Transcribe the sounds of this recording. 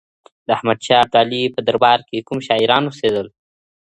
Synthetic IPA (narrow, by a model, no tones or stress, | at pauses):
d̪əahmad̪ʃɑab̚d̪alipəd̪aɾbɑɾkekumʃɑɪɾɑnwosed̪əl